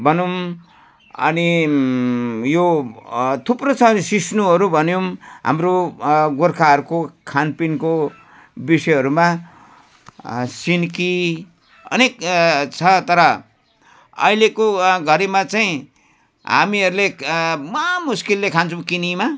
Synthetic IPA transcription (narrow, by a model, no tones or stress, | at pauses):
bʌnum | ʌ̰ni | jo | t̪ʰuprot͡sʰʌːnisisnuɦʌɾubʱʌnjomɦa̰mroɡorkʰaʌɾukokʰanpinko | bisʌjɦʌɾuma | sinki | ʌ̰nekt͡sʰʌt̪ʌɾʌ | ʌ̰ilekoɡʱʌɾimat͡saĩ | ɦa̰miʌɾulemʌmuskilːekʰant͡sʰumkinima